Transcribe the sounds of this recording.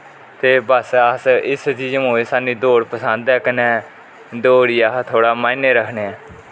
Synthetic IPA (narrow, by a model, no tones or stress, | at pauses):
t̪eːbəsəsɪsd͡ʒiːd͡ʒmoːeːsaːnĩːd̪oːɽpəsənd̪ɛːkənɛː | d̪oːɽiːaːt̪ʰoːɽaːmãːjneːɾəkʰneːɛː